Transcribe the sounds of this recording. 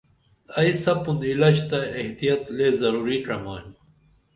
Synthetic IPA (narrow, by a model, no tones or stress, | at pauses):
ɐisɐpunilɐd͡ʑt̪ɐeht̪ijɐt̪leːzɐɾuːɾiʈɐmaːɦĩ